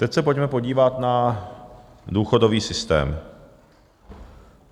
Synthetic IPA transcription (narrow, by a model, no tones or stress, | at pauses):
t̪ɛcsɛpo̞cmɛpo̞ɟiːvat̪na | duːxo̞do̞viːsɪst̪ɛ̰ːm